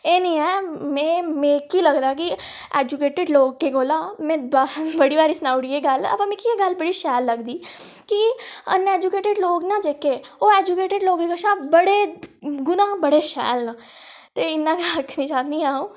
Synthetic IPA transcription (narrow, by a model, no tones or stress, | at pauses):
eːnĩːɛːmɛ̃ːmɛ̃ːkiːləɡd̪aːki | eːd͡ʒukeːʈɪɖloːɡ̚keːɡoːlaːmɛ̃ːbbəɽiːʋaːɾiːsənaːʊɽiːeːɡələ̰pãːmɛ̃ːkieɡəlbəɽiːʃɛːlːəɡd̪iːkiə̰neːd͡ʒukeːʈɪɖloːɡnãːd͡ʒekeːoːeːd͡ʒukeːʈɪɖloːɡeːkəʃãːbəɽeːɡʊnãːbəɽeːʃɛ̰ːlna | t̪eːɪnːãːɡələkʰːnĩːt͡ʃãːniːaːõː